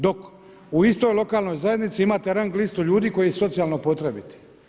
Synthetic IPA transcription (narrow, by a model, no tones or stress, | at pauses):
d̪o̞k | uist̪o̞jlˠo̞kaːlˠno̞jzaje̞d̪nit̪siimaːt̪eɾaŋɡliːst̪uʎuːd̪iːko̞jiso̞t̪sijaːlˠnopo̞t̪ɾebit̪e̥